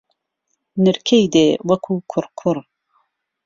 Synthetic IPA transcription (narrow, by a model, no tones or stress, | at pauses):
nɨɾkʰejd̪ewɐkʰuːkʰʊɾkʰuɾ